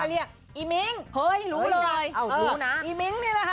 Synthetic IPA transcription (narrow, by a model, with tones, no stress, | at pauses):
jli˧˨ən | ʔi˧˦mi˨˦ŋhəː˧jlu˨˦ləː˧˦əː˧˩jə˨˧˩na˨˦ʔi˧˦mi˧˦ŋne˨˦la˨˧˩